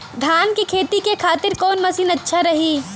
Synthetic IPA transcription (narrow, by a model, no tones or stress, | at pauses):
d̪ʱaːnkikʰeːt̪ikekʰaːt̪ɪɾkɔːnmɐsiːnɐtːʃʰaɾɐɦiː